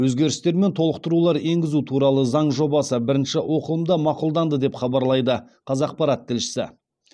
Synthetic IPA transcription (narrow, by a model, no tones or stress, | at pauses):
wɵzɡʲe̞ɾɪst̪e̞ɾme̞nt̪ʰo̞lˠəqt̪əɾulˠɑɾeŋɡʲɪzut̪ʰuɾɑlˠəzɑɴʒo̞bɑsəbɪɾɪnʃɪwo̞qəlˠəmd̪ɑmɑqulˠd̪ɑnd̪əd̪e̞pχɑbɑɾlˠɑjd̪ə | qʰɑzɑq̚pɑɾɑt̪ʰːɪlʃɪ̥sɪ̰